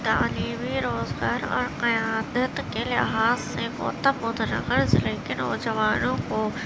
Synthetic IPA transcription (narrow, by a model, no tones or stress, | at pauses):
d̪aːniːʋiɾoːzɡaːɾɔ̰ːɾqɐjaːd̪ət̪keːlɪ̰ɦaːzsẽko̰ːt̪ɐbʊd̪nɐ̰kəɾsleːkɪno̰ːd͡ʒɐʋaːnõkoː